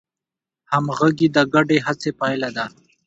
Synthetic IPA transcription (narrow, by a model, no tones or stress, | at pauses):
hamɣaɡid̪əɡaɖeɦat͡sepɑjlad̪a